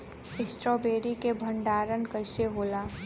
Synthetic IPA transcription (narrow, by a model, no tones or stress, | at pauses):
ɪsʈɾɔːbeːɾikebʱə̃ɳɖaːɾənkəɪseɦoːlaː